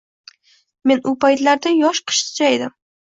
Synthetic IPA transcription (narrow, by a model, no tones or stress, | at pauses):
me̞nʊpajt̪laɾd̪ajɒʃqʰɨ̥ʃt̪ʰʊ̥d͡ʒajd̪ɪm